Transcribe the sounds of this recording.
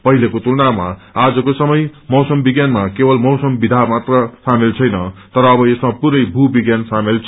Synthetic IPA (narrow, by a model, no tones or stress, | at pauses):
pʌɦilʌkot̪ulnama̰ad͡zʌkosʌmʌjmʌwsʌmbiɡjanmakebʌlmʌwsʌmbid̪ʱamat̪rʌsamelt͡sʰʌjnʌt̪ʌɾʌːbʌesmapuɾʌjbʱubiɡjansamelt͡sʰ